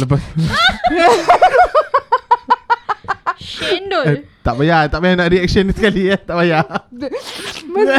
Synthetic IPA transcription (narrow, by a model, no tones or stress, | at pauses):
ləpas | endot̪aʔbajat̪aʔbajanaʔɾiɛk̚ʃənisəkaliat̪aʔbaja